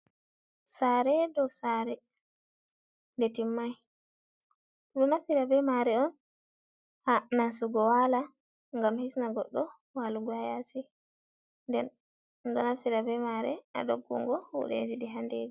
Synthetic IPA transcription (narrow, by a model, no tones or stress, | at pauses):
saɾɛdɔsaːɾɛ | ndetimːaj | ɗunafiɾabɛmaɾɛɔn | hanasuɡɔwala | ŋɡamhisnaɡɔ̰ɗːɔ | waluɡɔhajasɛ | ndɛn | dɔnafiɾabɛmaɾɛ̰a̰ɗo̰ɡːṵŋɡɔhṵɗḛd͡ʒiɗiɦanded͡ʒi